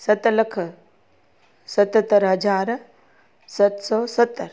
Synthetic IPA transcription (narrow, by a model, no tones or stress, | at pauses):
sɐt̪ləkʰ | sɐt̪ət̪ːəɾɦɐd͡ʒaːɾ | sɐt̪sɔːsət̪ːəɾ